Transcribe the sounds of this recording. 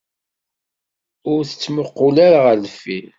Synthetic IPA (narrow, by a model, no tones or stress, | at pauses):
ʊɾθə̥t͡sːməqːʊlaɾaʁəɾlfi